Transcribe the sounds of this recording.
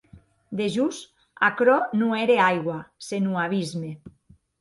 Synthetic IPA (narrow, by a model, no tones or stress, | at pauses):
d̪eʒus | a̰kɾɔnueɾeajɣwasenuaβ̞izme